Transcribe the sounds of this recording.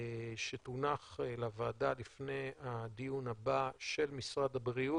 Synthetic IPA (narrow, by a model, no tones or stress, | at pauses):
ʃet̪unaχelavaːd̪alifne̞jad̪ijunabaʃe̞lmisʁad̪abʁiu